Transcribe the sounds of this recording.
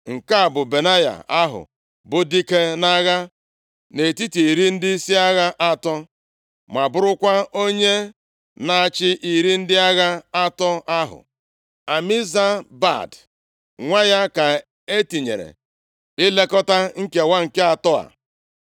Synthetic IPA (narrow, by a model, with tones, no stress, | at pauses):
ŋ̩˨ka˦a˨bʊ˨be˨na˦ja̰˨a˦ɦʊ̰˨ | bʊ˨di˦ke˦na˦ɣa˦ | ne˨ti˦ti˨ɾi˦n̩˦dɪ˦si˦a˦ɣa˦ʔa˦tɔ˦ | ma˨bʊ˦ɾʊ˦kʷa˦o˦ɲe˦ | na˨a˨t͡ʃɪ˦ʔi˨ɾi˦n̩˦dɪ˦a˦ɣa˦a˦tɔ˦ʔa˦ɦʊ̰˨ | a˨mi˦za˦ba̰˦˨d | ŋʷa˦ja˦ka˨ | e˦ti˨ɲḛ˨ɾḛ˨ | ɪ˦le˦kɔ˦ta˦ŋ̩˦ke˨wa˦ŋ̩˨ke˦a˨tɔ˦a̰˨